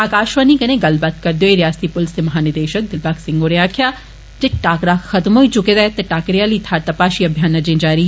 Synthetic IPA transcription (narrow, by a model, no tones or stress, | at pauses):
aːkaːʃʋanikɐnẽɡɐlbat̪kɐɾd̪joːeɾjaːst̪ipʊlst̪emɐɦaːnɪd̪eːʃək̚d̪ɪlpaːksɪŋɡoːɾẽãːkʰjaː | d͡ʒeʈaːkɾaːxɐt̪mɦoːit͡ʃʊkeːd̪aːt̪ɐʈaːkɾijaːliːt̪ʰaːɾt̪apaːʃiːɐbʱjaːnɐd͡ʒẽːd͡ʒaːɾi